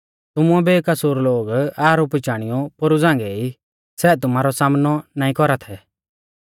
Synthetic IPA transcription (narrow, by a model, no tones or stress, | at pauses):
t̪ʊmʊɛbekɐsuːɾloːɡaːɾupɪt͡ʃaːɽ̃ijɔpoɾud͡zãːŋɡɛi | sɛːt̪̬ʊmaːɾɔsaːmnɔnaːĩkɔɾat̪ʰɛ